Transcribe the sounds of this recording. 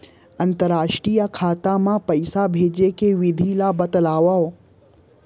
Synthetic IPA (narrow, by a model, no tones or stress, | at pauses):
ɐ̃nt̪əɾaːʃʈɾijakʰaːt̪amãpɐɪsabʱeːd͡ʑekeʋɪd̪ʱilabɐt̪əlaːʋao